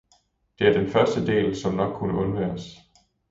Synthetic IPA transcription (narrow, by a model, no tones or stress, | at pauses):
d̥e̝æɐd̥enfɶɐsd̥əd̥e̝̰ːlsɒ̽mnɒ̽ɡ̥̚ʰːunəɔ̽nʋæːɐs